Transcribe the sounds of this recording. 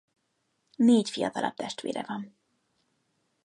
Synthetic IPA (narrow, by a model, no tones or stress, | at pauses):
neːcfijɒt̪ɒlɒb̚t̪ɛʃt̪ʋḛːɾʔɛvɒn